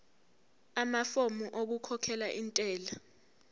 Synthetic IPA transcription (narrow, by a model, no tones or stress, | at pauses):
amafomuʔok̬ukʰɔkʰɛlaʔintʼɛːla